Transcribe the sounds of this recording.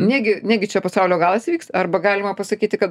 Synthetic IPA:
nʲæːɡʲɪnʲæːɡʲɪt͡ʃʲɛpɐsɑʊlʲoːɡɑːlˠɐsʲʋʲiːksɐrbɐɡɑːlʲɪmɐpɐsɐkʲiːt̪ʲɪkɐt̪

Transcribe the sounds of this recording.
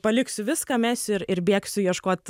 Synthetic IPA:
pɐlʲɪksʲʊʋʲɪskɐːmʲæsʲʊɪɾɪɾbʲeɛksʲʊjiɛʃkoːt̪

